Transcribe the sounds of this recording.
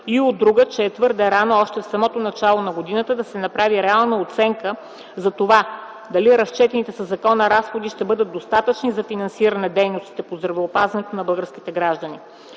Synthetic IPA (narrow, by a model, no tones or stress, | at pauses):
iod̪ːɾuɡət͡ʃɛːt̪vɤɾd̪ɛɾanoɔʃt̪ɛfsɐmɔt̪onɐt͡ʃalˠonɐɡod̪inət̪əd̪ɐsɛnɐpɾaviɾɛalˠnəot̪sɛŋkə | zɐt̪ova | d̪ɐliɾɐst͡ʃɛt̪ɛnit̪ɛsɐzɐkɔnəɾasxod̪iʃt̪ɛbɤd̪əd̪̚ost̪at̪ət͡ʃnizɐfinɐnsiɾɐnɛd̪ɛjnost̪i̥t̪ɛpozd̪ɾɐvɛopazvɐnɛt̪onɐbɤlˠɡəɾskit̪ɛɡɾaʒd̪əni